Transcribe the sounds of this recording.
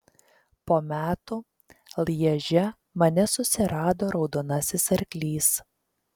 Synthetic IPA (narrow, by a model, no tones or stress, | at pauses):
poːmʲæːt̪uː | lˠjɛʒʲɛ | mɐnʲɛsʊsʲɪɾɑːd̪oːɾɒʊd̪oːnɐsʲɪsɐɾʲkʲlʲiːs